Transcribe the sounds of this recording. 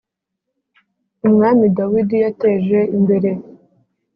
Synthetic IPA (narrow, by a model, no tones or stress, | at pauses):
umŋaːmidawidijateːʒe̞imbe̞ɾe̞